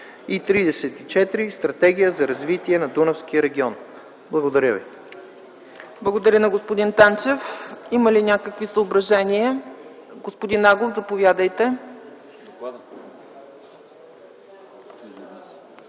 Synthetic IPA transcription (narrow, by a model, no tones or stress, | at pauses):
it̪ɾid̪ɛsɛt̪it͡ʃɛt̪ɾist̪ɾɐt̪ɛɡʲijəzɐɾɐzvit̪iɛnɐd̪unəfskijəɾɛɡʲiɔn | blˠɐɡod̪ɐɾʲjəvḭ | blˠəɡod̪ɐɾʲənɐɡospod̪int̪ant͡ʃɛfiməlinʲakəkvisəobɾɐʒɛniəɡospod̪inaɡlˠofzɐpovʲjad̪əjt̪ɛ